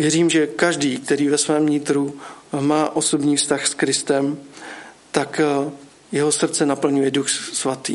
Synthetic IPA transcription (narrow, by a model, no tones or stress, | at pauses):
vjɛɾiːmʒɛkaʒdiːk̚t̪ɛɾiːvɛsvɛːmːɲɪt̪ɾumaːʔo̞so̞bɲiːfst̪axskɾɪst̪ɛm | t̪ak | jɛɦo̞sr̩t̪t͡sɛnapl̩ɲujɛduxsvat̪ḭː